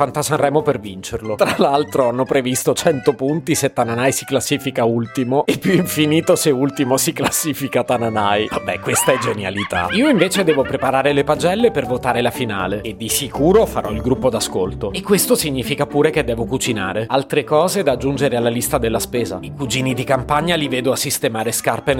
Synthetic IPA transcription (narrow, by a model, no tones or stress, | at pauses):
fant̪asanrɛːmopervint͡ʃerlot̪ɾalalt̪ɾoanːopɾevist̪ot͡ʃɛnt̪opunt̪iset̪ːananajsi̥klasːiːfikault̪imoepːjuiɱfiniːt̪oseult̪imosiklasːiːfikat̪ananajvabɛkːwest̪aɛd͡ʒenjalit̪a̰iːoiɱveːt͡ʃed̪ɛːvopɾepaɾaːɾelepad͡ʒɛlːepervot̪aːɾelafina̰ːleed̪ːisikuːɾofaɾʔɔilɡɾupːod̪askolt̪oekːwest̪osiɲːiːfikapuːɾeked̪ːɛːvokut͡ʃina̰ːɾealt̪ɾekɔːzed̪ad͡ʒːund͡ʒeɾealːalist̪ad̪elːaspeːza̰ikud͡ʒiːnid̪ikampaɲːalivɛːd̪oasːist̪emaːɾeskarpen